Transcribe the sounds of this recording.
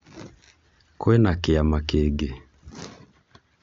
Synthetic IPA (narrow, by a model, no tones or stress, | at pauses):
kwenakɪamakeɡe